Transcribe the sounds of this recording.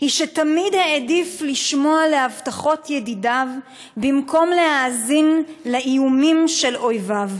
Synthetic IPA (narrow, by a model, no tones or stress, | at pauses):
hiʃet̪amidheedifliʃmo̞ale̞avtaχo̞t̪jedidav | bimko̞mle̞haːzinleʔijumimʃe̞lo̞jvav